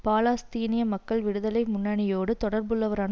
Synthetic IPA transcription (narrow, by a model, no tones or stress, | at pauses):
paːlaːst̪iːnɪjɐmɐkːɐɭʋɪɽɯðɐlɐɪmʊnːɐɳɪjoːɽɯt̪ɔɽɐɾbɯɭːɐʋɐɾaːn